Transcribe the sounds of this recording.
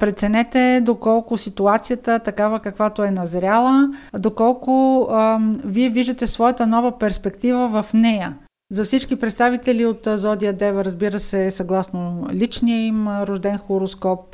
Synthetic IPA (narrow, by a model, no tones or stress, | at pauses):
pɾɛt̪sɛnɛt̪ɛd̪okɔlˠkʊsit̪uat̪sijət̪ət̪ɐkavəkɐkvat̪oɛnɐzɾʲalˠəd̪okɔlˠkʊ | viɛviʒd̪ət̪ɛsvɔjət̪ənɔvəpɛɾspɛkt̪ivəvəfnɛjə | zɐfsit͡ʃkipɾɛt̪st̪avit̪ɛliot̪zɔd̪iəd̪ɛvəɾəzbiɾəsɛsɐɡlˠasnolit͡ʃniəimɾʊʒd̪ɛnxoɾoskɔp